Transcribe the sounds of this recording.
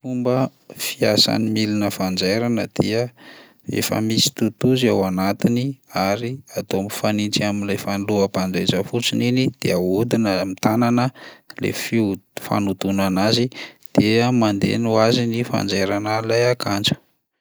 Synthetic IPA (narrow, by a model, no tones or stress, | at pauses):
fumbəfiasa̰nimilinəfand͡ʒeɾanəd̪̥iə | ḛfə̰misi̥t̪ut̪uzawanat̪iniaɾiat̪omifanint͡siaminlejfanluəpand͡ʒajd͡ʒəfut͡sininid̪̥eaud̪inəmit̪ananəlḛfifa̰nud̪unanazid̪̥eəmand̪ḛnuazinifa̰nd͡zeɾanalajakʰand͡ʒu̥